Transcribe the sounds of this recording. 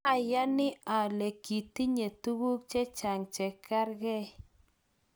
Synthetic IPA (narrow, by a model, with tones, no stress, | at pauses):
a˨ja˦nɪ˦a˨le˨ki˨ti˦ɲe˨tu˦ɡu˦k̚t͡ʃɛ˦t͡ʃa˨ŋt͡ʃɛ˨kʰa˦ɾɡɛ˦